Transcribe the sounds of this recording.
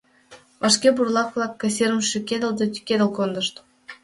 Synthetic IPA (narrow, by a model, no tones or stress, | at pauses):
vɑʃkʲeburlˠɑklˠɑkːɑsʲeɾəmʃykʲed̪ə̆lˠd̪ɤ̆t̪ʲy̥kʲed̪ə̆lˠkond̪ɤ̆ʃt̪